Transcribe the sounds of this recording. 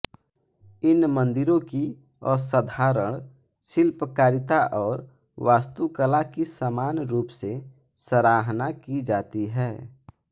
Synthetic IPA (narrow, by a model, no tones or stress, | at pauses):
ɪnmə̃nd̪ɪɾõki | ɔːsəd̪ʱaːɾəɽ̃ | ʃɪlpəkaːɾɪt̪aʔɔːɾ | ʋaːst̪ukəlakisaːmaːnɾuːpse | səɾaːɦnakid͡ʒaːt̪iɦɛː